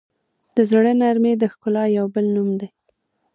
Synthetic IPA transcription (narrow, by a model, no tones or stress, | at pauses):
d̪̥əzɽənaɾmed̪əxkʊlɑjawbəlnumd̪e